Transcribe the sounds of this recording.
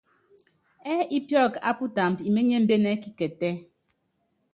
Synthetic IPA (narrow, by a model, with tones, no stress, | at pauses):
ɛ˦i˦pjɔ˦˨ka̰˦pu˦ta˨m̩˨pi˨me˦ɲɛ˦m̩˦be˦nɛ˦ki˦kɛ˨tɛ˦